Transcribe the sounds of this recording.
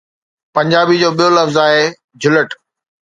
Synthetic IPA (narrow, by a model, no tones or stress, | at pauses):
pɐ̃ɲd͡ʑaːbid͡ʑoːɓijolɐfzaːɦeː | d͡ʑʱʊləʈ